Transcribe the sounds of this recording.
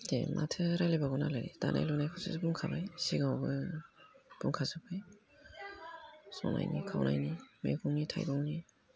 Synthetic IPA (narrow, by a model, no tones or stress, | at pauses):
dḛmʔa̰tʰɯɾajlebaɡɔnalaɾita̰nʔa̰jlɔnajkʰawsizɯbuŋkʰabajsiɡawbɯ | b̥uŋkʰazɯpʰɯj | sɔ̰na̰jnikʰawnʔajnimḛkʰuŋnitʰajbɔŋni